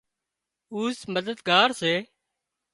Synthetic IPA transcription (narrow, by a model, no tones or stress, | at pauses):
uːsməd̪əd̪ɡaːɾseː